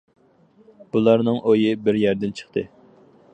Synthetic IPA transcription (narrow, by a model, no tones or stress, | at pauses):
b̥ulˠɑɾnɨŋʔojibɪɾjæɾd̪ɪnt͡ʃʰə̥χt̪ʰɨ